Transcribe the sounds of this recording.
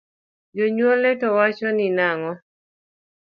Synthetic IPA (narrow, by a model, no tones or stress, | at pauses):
d͡ʒoɲwolɛtɔwat͡ʃɔnɪnaŋɔ